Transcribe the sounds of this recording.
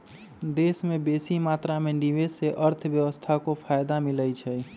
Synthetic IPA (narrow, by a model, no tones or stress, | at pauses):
d̪esmebesimat̪ɾameniʋeseʔəɾt̪ʰbjəwəst̪ʰakopʰajd̪amiləjt͡ʃʰɛj